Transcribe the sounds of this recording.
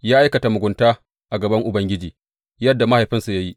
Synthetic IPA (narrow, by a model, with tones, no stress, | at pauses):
jaː˦ʔa˦jkɐ˨ta˨mʊ˨ɡʷʊ˨ntaː˦ | ʔa˨ɡɐ˨bɐ˦ŋʔʊ˨bɐ˦ŋɡʲɪ˦d͡ʒiː˨ | jɐ˦dːa˨ma˦ha˨jɸɪ˦nsu˨ja˦ji˦